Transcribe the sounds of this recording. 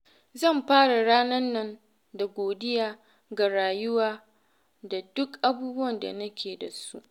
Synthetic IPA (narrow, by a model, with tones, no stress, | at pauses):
zɐ˦˨mɸaː˦ɽa˨ɽaː˦nɐ˦nːɐ˦n | da˨ɡʷoː˨dɪ˦jaː˦ | ɡa˨ɽaː˨jʊ˦waː˦ | da˨dʊ˦kʔa˦buː˦bʊ˦wɐ˨nda̰˨nɐ˦kʲʰeː˨da˨su˦ʔ